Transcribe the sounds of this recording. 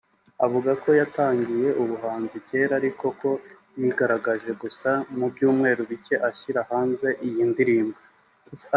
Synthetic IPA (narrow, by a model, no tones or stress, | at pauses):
avuɡako̞jataːŋɡije̞ʔuβuɦaːnzice̞ːɾaɾiko̞ko̞ | jiɡaɾaɡaʒe̞ɡusamubɟuːmŋe̞ːɾuβice̞ʔaçiɾahaːnze̞ʔijindiɾiːmba